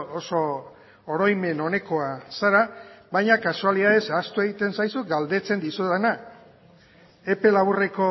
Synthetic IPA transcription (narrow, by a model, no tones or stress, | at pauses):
oso̞ | oɾojme̞no̞ne̞ko̞asaɾaβajɲakasualiðaðe̞sast̪ue̞ɣit̪e̞nsajsuɡald̪e̞t͡se̞nd̪isuðana | e̞pe̞laβure̞ko̞